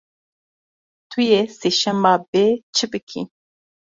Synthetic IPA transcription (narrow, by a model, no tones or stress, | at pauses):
t̪ʰujeseʃɛmaːbet͡ʃʰɨbɨkʰḭ